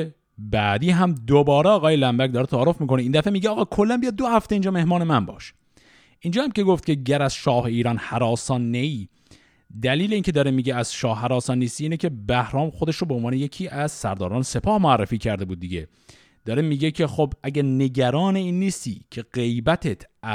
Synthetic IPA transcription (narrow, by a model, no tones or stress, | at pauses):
bæːd̪iːɦæmd̪obɒːɾeɒːɣɒːjelæmbæc̚d̪ɒːɾet̪ʰæːɾofmiːko̞neind̪æfemiːɟeɒːɣɒːkʰolːænbijɒd̪̚ːohæft̪eiːnd͡ʒɒːme̞hmɒːne̞mænbɒ̰ːʃ | ʔind͡ʒɒːhæmce̞ɡoft̪̚cʰeɟæɾæz̥ʃɒːhe̞iːɾɒːnhæɾɒːsɒːnːeiː | d̪æliːleiːncʰed̪ɒːɾemiːɡeæz̥ʃɒːhːæɾɒːsɒnːiːst̪iːiːnecʰe̞bæhɾɒːmxod̪e̞ʃɾobeonvɒːneje̞kʰiːʔæz̥sæ̰ɾd̪ɒːɾɒːnese̞pʰɒːhmoærːefiːcʰæɾd̪e̞buːd̪̚ːiɟe | d̪̥ɒːɾemiːɟecʰe̞xobæɟæɾne̞ɟæɾɒːneiːnːiːst̪ḭːcʰe̞ɣ̥e̞jbæt̪ʰet̪ʰæ